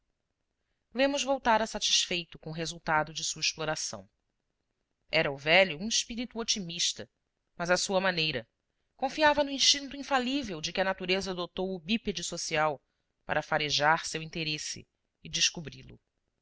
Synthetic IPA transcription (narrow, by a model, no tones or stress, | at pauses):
lẽmʊzvowt̪aɾɐsat͡ʃi̥sfejt̪ʊkõʊɦezuwt̪ad̪ʊd͡ʒɪsuɐɪʃploɾasɐ̰̃w̃ | ɛɾɐʊvɛʎʊũiʃpiɾit̪uot͡ʃimiʃt̪ɐ | mɐzɐsuɐmanejɾɐ | kõfiavɐnʊĩʃt͡ʃĩnt̪ʊĩfalivewd͡ʒɪkɪɐnat̪uɾezɐd̪ot̪owʊbiped͡ʒɪsosiaw | pa̰ɾɐfaɾeʒaɾsewĩnt̪eɾesɪ̰ː | d͡ʒɪʃkubɾilʊ̰